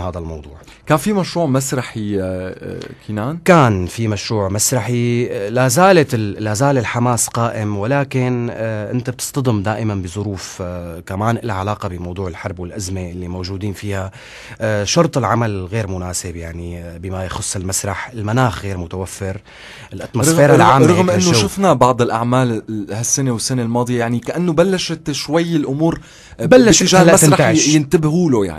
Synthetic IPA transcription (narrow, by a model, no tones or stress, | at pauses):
haːd̪almɑwd̪ˤuːʕ | kaːnfimaʃɾuːʕmasɾˤɑħi | kʰiːnaːnkaːnfimaʃɾuːʕmasɾˤɑħilazaːllazaːlɪlħamaːsqaːʔɪmwalaːkɪnʔɪ̰nt̪ab̚t̪ɨ̥st̪ɑd̪ˤɪmd̪aːʔɪmanbɪzˤʊɾuːfkamaːnʔɪlʕalaːqɑbɪmɑwd̪ˤuːʕɪlħɑɾˤbwɪlʔazmeʔɪlːimowʒuːd̪iːnfiːha | ʃɑɾˤt̪ˤɪlʕamalɣeːɾmʊnaːsɪbjaʕnibɪmajxʊsˤːɪlmasɾˤɑħɪlmanaːxɣeːɾmʊt̪awafːɪɾ | ɪlʔat̪mosˤɾˤɑɣfeːɾaʕaːmɾˤɑɣmʔɪnːoʃʊfnabɑʕd̪ˤɪlʔaʕmaːlhasːanewɪsːanelmɑːd̪ˤɨjajaʕnikaʔanːobalːaʃɪt̪ʃwajːɪlʔʊmuːɾ | balːaʃt̪ːɪʒaːlmasɾɑajɪnt̪ɪbhuːloja̰ʕni